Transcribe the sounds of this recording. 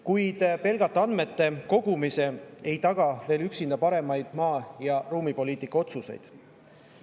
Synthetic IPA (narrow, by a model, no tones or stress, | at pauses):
kujd̪̥pe̞lɡ̥ɑt̪ːˑɑɑnme̞t̪ːe̞ko̞ɡ̥umise̞e̞jt̪ɑɡ̥ɑve̞ːlyksind̪̥ɑpɑɾe̞mɑjd̪̥mɑːjɑruːmipo̞liːt̪ˑikːˑɑo̞t̪suse̞̰jd̪̥